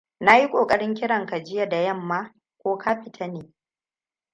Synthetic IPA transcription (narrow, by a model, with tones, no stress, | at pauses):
na˦ji˦kʷʼoː˨kʼɐ˦ɽɪ˦ŋk̬ʲɪ˦ɽɐ˨ŋka˨d͡ʒɪ˦ja˦da˨jɐ˦˨mːaː˦ | kʷoː˦kʰa˦ɸɪ˨tʰa˦neː˨